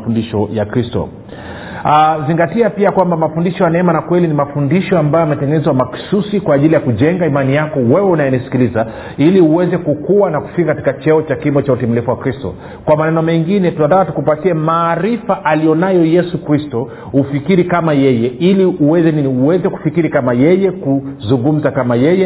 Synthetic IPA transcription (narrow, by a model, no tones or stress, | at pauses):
fundiʃɔjakɾistɔ̰ | aziŋɡatiapiakwambamafundiʃɔjanaɛmanakwɛlinimafundiʃɔambajɔamɛtɛŋɡɛnɛzwamaksusikwaːʄilijakuʄɛŋɡaimanijakɔwɛwɛunajɛnisi̥kiliza | iliuwɛzɛkukuwanaku̥fikakati̥kat͡ʃɛɔt͡ʃakimɔt͡ʃautim̩lifuwakɾistɔ̰ | kwamanɛnɔmɛŋɡinɛtuandaatukupatiɛmaːɾifaʔalijɔnajɔjɛsukɾistɔ | ufikiɾikamajɛjɛiliʔuwɛzɛniniuwɛzɛku̥fikiɾikamajɛjɛkuzuŋɡum̩zakamajɛjɛ